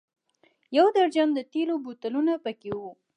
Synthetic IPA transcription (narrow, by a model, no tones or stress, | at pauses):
jawd̪aɾd͡ʒand̪ət̪elobut̪alunapəkewu